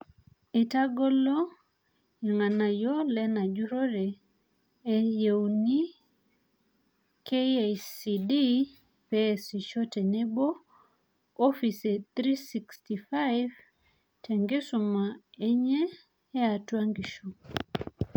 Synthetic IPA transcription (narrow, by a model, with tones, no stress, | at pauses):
i˨ta˦ɡɔ˦lɔ˦ | i˨ŋa˨na˨jɔ˦lɛ˦na˨d͡ʒu˦ɾo˦ɾeː˨ | je˨wni˦ | keajsidi | pesi˨ʃɔ˦tɛ˨ne˦bo˦ | o˦fi˨se˨t̪ɾisi˨ksti˨fajv | tʰɛ˨ŋɡe˦suma˨e˦ɲɛː˦ | a˨twa˦ŋɡi˨ʃu